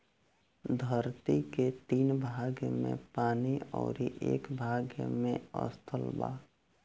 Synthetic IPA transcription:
d̪ʱəɾt̪iket̪iːnbʱaːɡjəmḛ̃paːniɔ̰ːɾiʔeːkbʱaːɡjə̰mẽə̰st̪ʰəlba̰ː

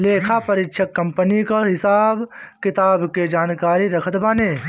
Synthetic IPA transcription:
leːkʰapɐɾɪkːʃʰəkːɐ̃mpənikaɦɪsaːbkɪt̪aːbked͡ʒaːnkaːɾiɾɐkʰət̪baːneː

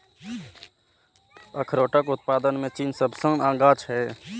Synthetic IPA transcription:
əkʰɾoːʈəkʊt̪̚paːd̪ənmẽt͡ʃiːnsəbʱsə̃ŋãːɡaːt͡ʃʰɦɛː

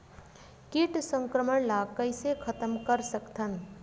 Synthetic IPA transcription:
kiʈsə̃ŋkɾəməɳlakəɪsekʰət̪əmkəɾsəkt̪ʰən

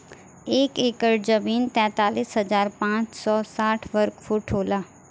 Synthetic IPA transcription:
eːkeːkəɾd͡ʒəmiːnt̪ɛ̃ːt̪aːliːsɦəzaːɾpãːt͡ʃsɔːsaːʈʰʋəɾkfʰuːʈɦoːlaː

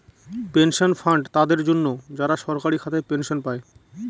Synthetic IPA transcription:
penʃonfaɳɖt̪ad̪eɾd͡ʑonːod͡ʑaɾaʃɔɾkaɾikʰat̪ʰepenʃonpae

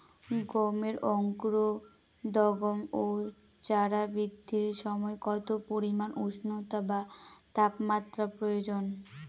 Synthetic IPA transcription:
ɡomeɾɔŋkɾo | d̪ɔɡomot͡ɕaɾabɾid̪ʱːiɾʃɔmɔekɔt̪opoɾimanuʃnot̪aba | t̪apmat̪ːɾapɾojod͡ʑon

